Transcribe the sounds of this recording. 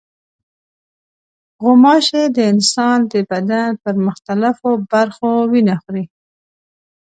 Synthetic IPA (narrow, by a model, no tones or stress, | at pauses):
ɣʊmɑʃed̪əɪnsɑnd̪əbad̪anpəɾmʊxt̪alafobaɾxowinaxɾi